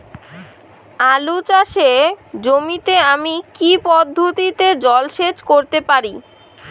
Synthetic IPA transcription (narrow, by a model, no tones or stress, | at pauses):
alut͡ɕaʃed͡ʑomit̪eamikipɔd̪ʱːot̪it̪ed͡ʑɔlʃed͡ʑkoɾt̪epaɾi